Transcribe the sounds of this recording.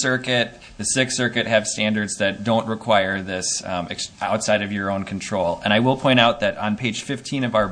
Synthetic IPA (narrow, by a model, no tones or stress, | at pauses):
sɜ˞kɪt̪̚ | ðɨsɪksɜ˞kɨt̚hɨv̥stæ̃ndə˞dzðɨt̚d̥õʊ̃nʔɹɨkʰw̥aɪə˞ðɪsɨʔa̰ʊtsaɪɾʌvjə˞õʊ̃nkʰn̩tʰɹ̥oʊlˠə̰̃ɾ̃aɪwəlˠpʰɔ̃ɪ̃ɾ̃aʊt̪̚ðɨɾn̩pʰeɪ̥ʒ̥fɪftʰĩnʌvaʊə˞